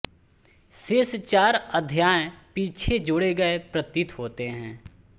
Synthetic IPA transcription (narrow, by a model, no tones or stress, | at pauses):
seːst͡ʃaːɾəd̪ʱjaːẽpiːt͡ʃʰed͡ʒʊɽeɡɐepɾət̪ɪt̪ɦoːt̪eɦɛ̃ː